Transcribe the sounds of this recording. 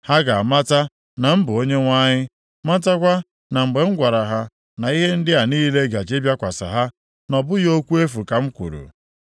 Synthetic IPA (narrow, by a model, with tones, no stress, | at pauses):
ha˦ɡa˨a˨ma˦ta˦ | na˨m̩˦bʊ˨o˦ɲe˦ŋʷa˦ɲɪ˦ | ma˦ta˦k̬ʷa˦ | na˨ŋ͡m̩˨ɡ͡be˨ŋ̩˦ɡʷa˨ɾa˨ɦa˦ | na˨i˦ɦe˦n̩˦dɪ˦a˨niː˦le˦ɡa˨d͡ʒe˦bja˦kʷa˨sa̰˨ɦa˦ | nɔ˨bʊ˦jo˦kʷu˦e˦fu˨ka˨m̩˦kʷṵ˨ɾṵ˨